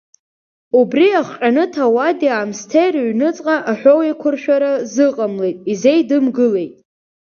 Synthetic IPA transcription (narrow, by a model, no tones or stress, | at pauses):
ubriaχqʲʼanɨtʰawadiamstʰejraɥnɨt͡sʼqʼaʔaħʷᶣowekʷʰʊrʃᶣaɾazɨqʼamle̞jtʼize̞jdɨmɡɨle̞jtʼ